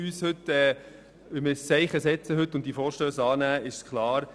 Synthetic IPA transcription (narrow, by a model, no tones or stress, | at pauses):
yːshʏtːɛː | ʋɪmɪɾst͡sɛɪχəsɛt͡səɦʏtːʊnt̚d̥ifɔːɾʃtøːsɑːnæːɪʃskʰlɑːɾ